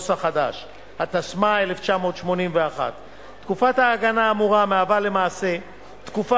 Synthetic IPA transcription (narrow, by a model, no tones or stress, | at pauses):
saχada̰ʃ | hat̪asmaele̞ft͡ʃamo̞t̪ʃmo̞nimveaχa̰t̪ː | kufathaːɡanaːmuʁameavale̞maːse̞ | t̪kufa